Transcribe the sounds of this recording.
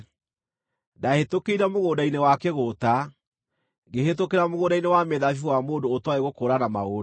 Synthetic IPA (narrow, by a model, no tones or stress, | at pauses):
dahetokeiɾamoɣoːdainewakeɣota | ɡeɦetokeɾamoɣoːdainewamɛðafiwamoːndoːtwaeɣokoːɾanamaɣo